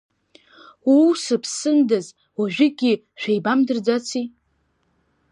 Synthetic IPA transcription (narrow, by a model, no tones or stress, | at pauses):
usɨpʰsɨndaz | waʒᶣɪɡʲi | ʃᶣejbamdɨrd͡zat͡sʰi